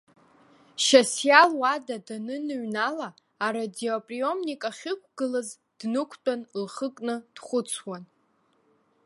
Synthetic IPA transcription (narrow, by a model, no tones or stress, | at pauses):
ʃasjalwadadanɨnɨɥnalaː | ɾadiopʼrio̞mnikʼaχʲɪkʷʰʼɡ̥ɨlɨz | d̥nɨkʷʰt͡pʼanlχəkʼnɨd̥χʷʊt͡sʰwan